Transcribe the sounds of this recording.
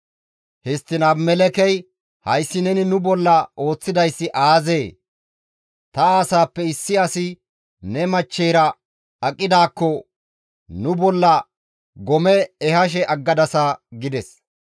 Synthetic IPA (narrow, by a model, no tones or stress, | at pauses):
hɛst̪ːɪnɐbmɛlɛkɛj | hɐjsːɪnɛnɪnʊbɔlːɐo̞ːt͡sːɪd̪ɐjsːɪʔaːzeː | t̪ɐaːsaːpːɛɪsːɪɐsɪ | nɛmɐt͡ʃːɛjɾɐ | ɐkʼːɪd̪aːkːɔ | nʊbɔlːɐ | ɡɔmɛːhɐʃ̬ɛʔɐɡːɐd̪ɐsaɡɪd̪ɛs